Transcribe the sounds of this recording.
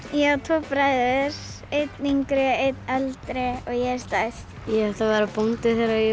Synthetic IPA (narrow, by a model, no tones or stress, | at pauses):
jɛt̪ʰɔːpɾaːjðɾ | ejt̪niŋkɾɪejt̪nalt̪ɾɪɔɣjɛst̪ajst̪jɛɛt̪avaɾapont̪ɪθejɾajɛ